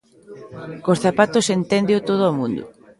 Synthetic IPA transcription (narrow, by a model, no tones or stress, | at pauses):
kosθapat̪osent̪ɛnd̪eot̪oðoomũnd̪ʊ̰